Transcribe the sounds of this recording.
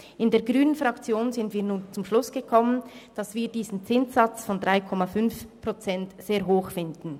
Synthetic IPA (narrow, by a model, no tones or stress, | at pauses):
ʔɪndeːɐɡʁyːnənfʁakt͡sjoːnzɪntviːɐnuːnt͡sʊmʃlʊsɡ̥əkʰɔmənd̥ɑsv̥iːɐdiːzn̩t͡sɪnt͡sːat͡sfɔndʁaɪkʰɔmafʏnfpʁ̥ot͡sɛntz̥eːɐɦoːxfɪndn̩